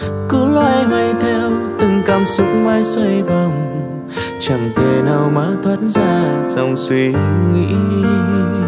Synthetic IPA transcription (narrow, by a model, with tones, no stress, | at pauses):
kɨ̰˧˦lwa̰ː˧˨jɦə˧jt̪ʰɛ˧wt̪ɨ˧˩ŋkaː˧˩msʊ˨˦˥k͡p̚ŋwaː˧˩jswə˧jva˨˩wŋ͡m | t͡ɕə˨˩ŋt̪e˧˩naː˧˩wmaː˧˥t̪ʰwa˧˦˥t̚zaː˧˩sa˧˩wŋ͡mswi˧ŋḭ˧˥